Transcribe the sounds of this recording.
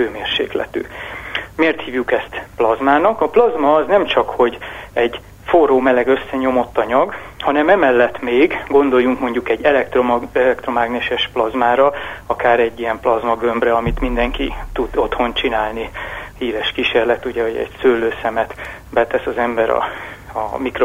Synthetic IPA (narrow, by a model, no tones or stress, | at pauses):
øːmeːrʃḛːklɛ̰t̪y̰ːmeːrt̪hiːvjukɛst̪plɒzmaːnɒkɒplɒzmɒːznɛmt͡ʃɒkho̞ɟɛɟ | foroːmɛlɛɡø̞sːɛɲo̞mo̞t̪ːɒɲɒɡhɒnɛmɛmɛlːɛt̪meːɡɡo̞nd̪o̞jːuŋkmo̞ɲɟukɛɟːɛlɛkt̪romɒɛlɛkt̪ro̞maːɡneʃɛʃplɒzmaːɾɒɒkaːɾɛɟːijɛmplɒzmɒɡømbrɛɒmit̪mind̪ɛŋkit̪ud̪o̞t̪ho̞nt͡ʃinaːlnihiːɾɛʃkiʃeːrlɛt̪uɟɛhoɟɛ̰ɟsøːlːøːsɛmɛt̪ | bɛt̪ɛsɒzɛmbɛɾɒ̰ɒmikro